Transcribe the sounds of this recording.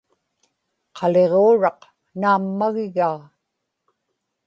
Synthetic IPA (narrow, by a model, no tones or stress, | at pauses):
qʰɑle̞ʁoːɻɑq | naːmːaɣɪɣaː